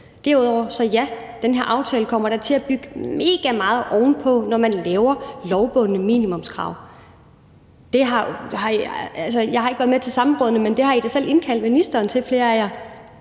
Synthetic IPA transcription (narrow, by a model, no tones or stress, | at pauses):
d̥æɐuð̰ˠɒʊɐsɒ̽jæd̥enɦeɐ̰ʔɑ̈ʊt͡sʰɛːləkʰɒ̽m̰ɐɾ̥ɑ̈t͡sʰe̝læb̥yɡ̥əme̝ːɡ̥æmɑ̈ːð̞̩ˠʔɒʊn̩pʰɒ̽nɒmænlɛːʊɐlɒʊb̥ɔ̽n̰ənəmḭːnimɔ̽mskʰʁɑ̰̈ʊ̰ | d̥e̝ɦɑ̈hɑ̈ælsəjɑ̈ɪɦɑ̈eɡ̥ʋæɐð̩ˠmet͡sʰe̝lsɑ̈m̩ʁɔ̽ðˠənəmend̥e̝hɑ̈id̥æsel̰e̝nkʰæl̰d̥minisd̥ɐːnt͡sʰe̝fle̝ːɐæjæ